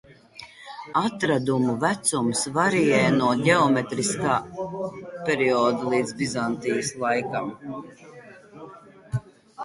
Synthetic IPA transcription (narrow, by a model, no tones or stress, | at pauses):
at̪ɾad̪umuvæt̪sumsvaɾijɛjnuɔɟʲɛɔmet̪ɾiskaː | pʲɛɾiɔːd̪alˠiːd̪zbizant̪ijəslˠajkam